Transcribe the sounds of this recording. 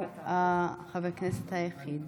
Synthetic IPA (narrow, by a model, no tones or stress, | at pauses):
axavekneset̪hajaxiːd̪